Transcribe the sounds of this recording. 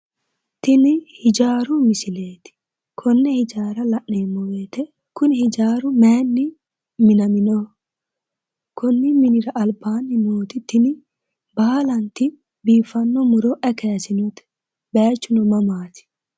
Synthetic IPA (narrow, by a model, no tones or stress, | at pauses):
t̪ɪnɪhɪd͡ʒaːɾʊmɪsɪle̞ːt̪ɪ̥ | kʰɔnːɛhɪd͡ʒaːɾɐlɐʔːeːmːɔweːt̪ɛ | kʊnɪhɪd͡ʒaːɾʊmeːnːɪ | mɪnɐmɪnɔ | kɔnːɪmɪnɪɾɐʔɐlbaːnːɪnoːt̪ɪt̪ɪnɪ | baːlɐnt̪ɪ | biːfɐnːɔmʊɾɔʔɛkejɐsɪnɔt̪ɛ̥ | beːt͡ʃːʊnɔmɐmaːt̪ɪ̥